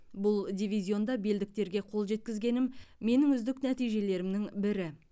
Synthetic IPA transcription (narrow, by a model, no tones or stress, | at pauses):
bʊlˠd̪ʲijvʲizʲjo̞nd̪ɑbe̞ld̪ɪk̚t̪e̞ɾɡʲe̞qʰo̞lˠʒe̞t̪̚kʲɪzɡʲe̞nɪmːe̞nɪŋʏzd̪ɪknæt̪ijʒe̞le̞ɾɪmnɪŋbɪɾɪ